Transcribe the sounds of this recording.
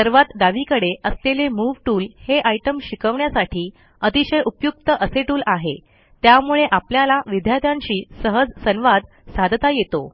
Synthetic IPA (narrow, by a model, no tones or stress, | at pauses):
t̪əɾʋat̪d̪aʋikəɽeʔəslelemuʋʈuːlheʔajʈəmɕikəʋɳjasaʈʰiː | ət̪iɕəjʔupjuk̚t̪əʔəseʈuːlaɦe | t̪jamuɭeʔapljalaʋid̪ʱjat̪jãɲt͡ɕiːsəɦəd͡zsənʋad̪ | sad̪ʱt̪ajet̪o̰